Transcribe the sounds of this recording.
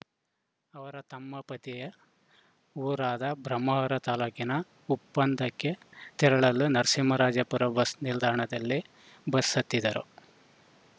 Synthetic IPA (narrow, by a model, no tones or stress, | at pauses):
ɐʋɐɾɐt̪ɐmːɐpɐt̪ijɐ | uːɾaːd̪ɐbɾɐmːɐɦɐɾɐt̪aːluːkinɐ | upːɐnd̪ɐkːet̪ɛɾɐɭɐlːunɐɾsimɐɾaːd͡ʒɐpuɾɐbɐsnild̪ʱaːɐɳɐd̪ɐlːi | bɐsɐt̪ːid̪ɐɾṵ